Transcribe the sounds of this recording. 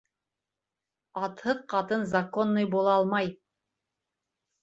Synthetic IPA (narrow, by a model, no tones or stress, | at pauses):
ɑt̪hɤðqɑt̪ɤnzakonːɤjbulˠɑɑlˠmɑj